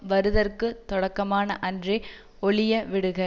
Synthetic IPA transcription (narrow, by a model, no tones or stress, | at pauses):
ʋɐɾɯðɐrkɯt̪ɔɽɐkːɐmaːnɐʔɐndri | ɔɭɪjɐʋɪɽɯɣɐ